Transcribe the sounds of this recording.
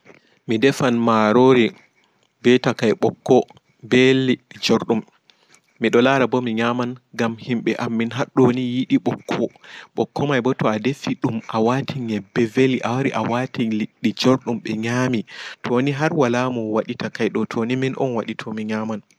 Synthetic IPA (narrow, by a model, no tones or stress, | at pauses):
midɛfanmaɾoɾi | bɛtakajɓɔkːɔ | bɛliɗːid͡ʒoɾɗumː | iɗɔlaɾabɔmiɲamanɡamhimɓɛʔamːinɦaɗːonijiɗiɓɔkʰːɔɓɔkːɔmajbɔtɔadefiɗumʔawatʰiɲɛbɛveliʔawaɾiʔa̰watiliɗːid͡ʒoɾɗumɓɛɲaːmitʰɔniɦaɾwalamɔwaɗitakajɗɔtʰoniminʔɔ̰nwaɗitʰɔmiɲaman